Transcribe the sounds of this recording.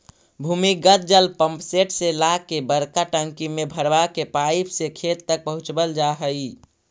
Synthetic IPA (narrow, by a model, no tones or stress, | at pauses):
bʱuːmiɡət̪̚d͡ʒəlpə̃mpseʈselakebəɾkaʈə̃ŋkimebʱəɾbakepaipʰsekʰet̪ːək̚pəɦʊt͡ʃbəld͡ʒaɦəi